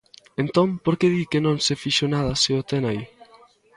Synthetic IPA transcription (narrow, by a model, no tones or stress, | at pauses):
ent̪ompoɾkeðikenõŋsefiʃonaðɐseot̪enai